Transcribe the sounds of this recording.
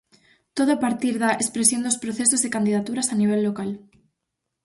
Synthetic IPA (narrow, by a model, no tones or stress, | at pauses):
t̪oðoapaɾt̪iɾðaʔespɾesjond̪ospɾoθesozðekand̪ið̞at̪uɾasaniβ̞elːokal